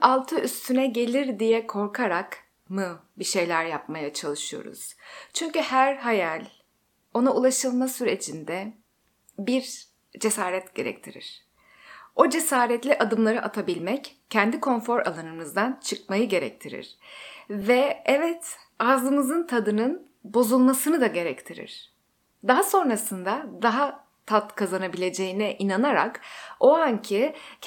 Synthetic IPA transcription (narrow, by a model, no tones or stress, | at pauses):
ʔalˠt̪ʰɯʔyst̪ʰynɛɟe̞lʲiɾd̪ijɛkʰo̞ɾkʰaɾak | mɯbiʃe̞jlʲæɾjap̚majat͡ʃʰalˠɯʃɯjo̰ɾṵz̥t͡ʃʰyɲcyhæɾɦajalʲ | o̞naulˠaʃɯlˠmasyɾe̞t͡ʃʰind̪ɛ | biɾ | d͡ʒe̞saːɾɛt̪ɟ̥e̞̰ɾɛ̰c̚t̪ʰiɾḭɾ̥ | o̞d͡ʒe̞saːɾɛt̪lʲiʔad̪ɯmlˠaɾɯʔat̪ʰabilʲmɛccʰːɛnd̪ikʰo̞nfo̞ɾa̰lˠanɯmɯzd̪ant͡ʃʰɯkmajɯɟe̞ɾɛ̰c̚t̪ʰiɾḭɾ̥vɛɛvɛt̪ | azlˠɯmɯzɯnt̪ʰad̪ɯnɯn | bo̞zulˠmasɯnɯd̪aɟe̞ɾɛct̪ʰiɾḭɾ̥ | d̪aɦaso̞nɾasɯnd̪ad̪aɦa | t̪ʰat̪kʰazanabilʲe̞d͡ʒe̞jinɛʔinanaɾa̰ko̞aɲcʰi